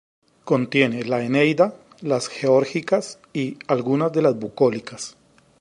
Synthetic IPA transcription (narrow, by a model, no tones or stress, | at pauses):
ko̞nt̪je̞nelaenejd̪a | lasxeoɾxikas | ialɡunazd̪e̞lazbukolikas